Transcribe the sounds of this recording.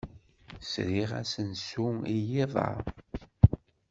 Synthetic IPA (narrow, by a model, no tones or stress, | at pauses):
sɾiʁæ̰sənsuijiðˤɑ̰ɾˤ